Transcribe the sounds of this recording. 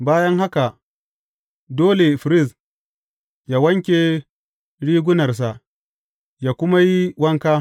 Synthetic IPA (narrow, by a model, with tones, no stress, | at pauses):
baː˦jɐ˦ŋɦa˦ka˨ | doː˦le˨fɾɪ˦˨s | jaː˦wɐ˦ŋkʲe˨ | ɽiː˦ɡʷʊ˦nɐ˨rs̬a˨ʔ | jaː˨kʷʊ˦ma˦ji˦wɐ˦ŋkaː˦